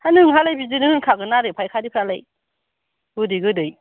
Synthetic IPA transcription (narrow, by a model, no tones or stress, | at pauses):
hanɯŋɦalajbizɯnɯŋɯnkʰaɡɯnaɾɯjpʰajkʰadipʰɾalaj | ɡɯdɯjɡɯdɯj